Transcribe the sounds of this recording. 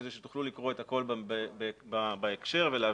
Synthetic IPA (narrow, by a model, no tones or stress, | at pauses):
zeʃet̪u̥χlulikʁoe̞t̪ako̞lbbbebabaekʃe̞ʁvelea